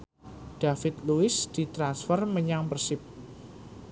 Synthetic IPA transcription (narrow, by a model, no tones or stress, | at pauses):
d̥a̤fɪt̪luɪsd̪̥i̤t̪ɾansfərməɲaŋpərsɪp̚